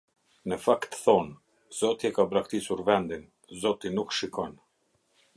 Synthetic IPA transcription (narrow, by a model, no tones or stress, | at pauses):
nəfakt̪θɔn | z̥ɔt̪iɛkabɾakt̪isuɾvɛnd̪in | zɔt̪inukʃikɔn